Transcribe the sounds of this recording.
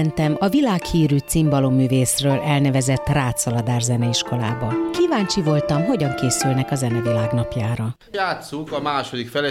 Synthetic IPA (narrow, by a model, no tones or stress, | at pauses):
nt̪ɛmɒvilaːkhiːɾyːt̪simbɒlomːyːveːsrøːlʔɛlnɛvɛzɛt̪ːraːt̪sɒlɒd̪aːrzɛnɛiʃko̞la̰ːbɒkivaːɲt͡ʃivo̞lt̪ɒmɦo̞ɟɒŋkeːsylnɛkɒzɛnɛvilaːɡnɒpjaːɾɒ | jaːt̪sukɒmaːʃo̞d̪ikfɛlɛ